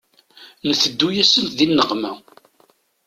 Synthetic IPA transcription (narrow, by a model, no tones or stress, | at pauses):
nəθəd̪ːujæsənt̪ðinːəʁmæ